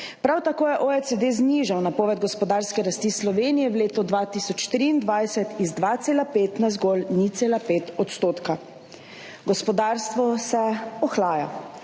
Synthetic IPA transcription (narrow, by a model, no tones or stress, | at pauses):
pɾawt̪akoːjɛʔoɛsed̪eːzniʒawnapɔːʋɛd̪̚ɡɔspɔd̪aːɾskɛɾast̪islɔʋeːnijɛwleːt̪ɔd̪ʋaːt̪isɔt͡ʃt̪ɾiːnd̪ʋajsɛt̪izd̪ʋat̪seːlapeːt̪nazɡɔlnit̪seːlapeːt̪ɔt̪st̪oːt̪ka | ɡɔspɔd̪aːɾst̪ʋɔsɛɔxlaːja̰